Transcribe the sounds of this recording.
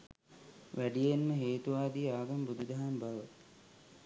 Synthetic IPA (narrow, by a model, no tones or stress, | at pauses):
ʋæɖijenːəɦeːt̪uʋaːd̪iaːɡambud̪ud̪aɦambaʋə